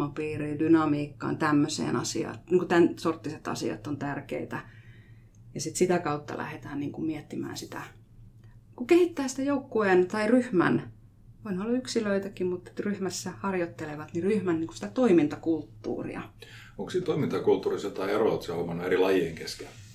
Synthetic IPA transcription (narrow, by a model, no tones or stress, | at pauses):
opiːriːndynɑmiːkːɑ̰ːnt̪æmːøsḛːnɑsḭɑ̰t̪niːŋkut̪ænsort̪ːiset̪ɑ̰sḭɑ̰t̪ːont̪ærkḛit̪æ | jɑsit̪sit̪ækɑut̪ːɑ̰lʔæ̰het̪æːnniːŋkummiɛt̪ːimæ̰ːnsit̪æ | kukehit̪ːæːsi̥t̪æjoukːuent̪ɑiryhmæ̰n | ʋoinolːɑyksiløit̪ækimmut̪t̪ryhmæsːæhɑrjot̪ːeleʋɑt̪niryhmænniŋku̥si̥t̪æt̪oimint̪ɑkult̪ːṵːrḭɑ̰ | oŋksiːt̪oimint̪ɑkult̪ːuːrisɑt̪ɑieroot̪sehomɑnːueɾilɑjieŋkeske